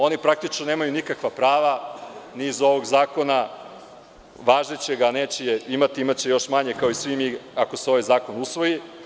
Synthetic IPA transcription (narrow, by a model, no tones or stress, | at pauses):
o̞nipɾak̚t̪it͡ʃnonemajunikakʋapɾaːʋanizo̞ʋo̞ɡzaːko̞na | ʋaːʒnet͡ɕe̞ɡaneːt͡ɕejeimat̪iimat͡ɕe̞jo̞ʃmaɲe̞kaoisʋimiako̞seo̞ʋajzaːko̞nusʋo̞ji